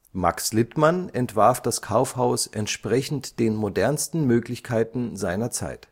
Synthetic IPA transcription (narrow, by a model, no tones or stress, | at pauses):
ma̰kslɪtmanɛntv̥aɐfd̥askʰaʊfhaʊsʔɛntʃpʁ̥ɛçn̩td̥eːnmodɛɐnstn̩møːklɪçkʰaɪtn̩zaɪnɐt͡sa̰ɪt